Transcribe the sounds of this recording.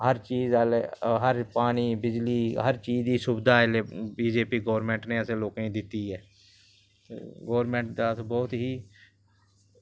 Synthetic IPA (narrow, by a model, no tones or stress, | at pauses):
ɦəɾt͡ʃiːzalɦəɾpaːniːbɪd͡ʒliːɦəɾt͡ʃiːd͡ʒd̪iːsʊbd̪aːɪlebiːd͡ʒeːpiːɡɔːʋɾmẽːɳʈneːəseːloːkẽːd̪ɪt̪ːiːɦɛː | ɡoːɾmẽːɳʈd̪at̪bɔːt̪ɦiː